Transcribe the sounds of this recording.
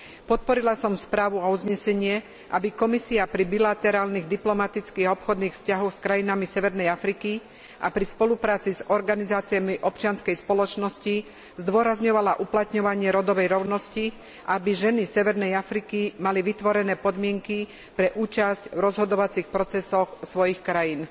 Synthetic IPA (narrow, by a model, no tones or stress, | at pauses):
pɔt̪̚pɔɾilasɔmspɾaːʋuauzɲɛsɛɲɪɛ | ʔa̰bikɔmisiapɾibilat̪ɛɾaːlniɣd̪iplɔmat̪it͡skiːɣaɔpxɔd̪niːxfscaɦɔxskɾajinamisɛʋɛɾnɛjafɾiki | ʔa̰pɾispɔlupɾaːt͡sizɔɾɡanizaːt͡siamiʔɔpt͡ʃɪanskɛjspɔlɔt͡ʃnɔsci | zd̪ʊɔɾazɲɔʋalaʔuplat̪ɲɔʋaɲɪɛɾɔd̪ɔʋɛjɾɔʊnɔsci | ʔabiʒɛnisɛʋɛɾnɛjafɾikimaliʋit̪ʋɔɾɛnɛːpɔd̪mɪɛŋki | pɾɛʔuːt͡ʃascvɾɔzɦɔd̪ɔʋat͡sixpɾɔt͡sɛsɔxsʋɔjixkɾajiːn